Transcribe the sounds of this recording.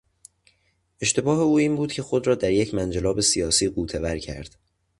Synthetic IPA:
ʔeʃt̪e̞bɒːɦe̞uːiːmbuːd̪̥̚cʰe̞xo̞d̪ɾɒːd̪æɾjecʰmænd͡ʒelɒːbe̞sijɒːsiːɢuːt̪ʰevæɾcʰæ̰ɾd̪̥

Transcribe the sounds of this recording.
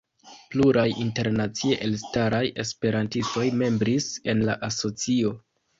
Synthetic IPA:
pluɾajinte̞ɾnat͡sieʔe̞lstaɾaje̞spe̞ɾantisto̞jme̞mbɾise̞nlaʔaso̞t͡sio̞

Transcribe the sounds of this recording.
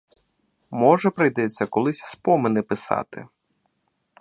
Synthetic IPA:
mɔʒɛpɾɪjd̪ɛt͡sʲːɐkɔlˠɪsʲspɔmɪnɛpɪsɑ̰t̪ɪ̰

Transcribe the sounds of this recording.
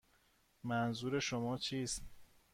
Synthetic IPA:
mænzuːɾe̞ʃomɒːt͡ʃʰiːst̪

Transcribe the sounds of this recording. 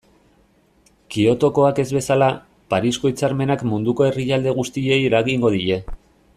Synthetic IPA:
kio̞t̪o̞ko̞ake̞zβe̞sala | paɾisko̞it͡saɾme̞nakmund̪uko̞e̞rijald̪e̞ɣ̞ust̪ie̞jiɾaɣiŋɡo̞ðiʎe̞

